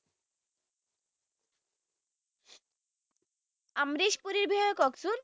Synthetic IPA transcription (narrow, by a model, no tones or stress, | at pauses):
amɾiʃpuɾiɾbʱiɦɔjokɔksuɾ